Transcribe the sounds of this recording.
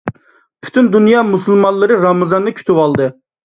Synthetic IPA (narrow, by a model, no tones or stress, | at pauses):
pʰy̥t̪ʰynd̪unjɑmusulˠmɑnlˠɨɾɨɾɑmɨzɑnd̪ɨkʲʰy̥t̪ʰywɑlˠd̪ɨ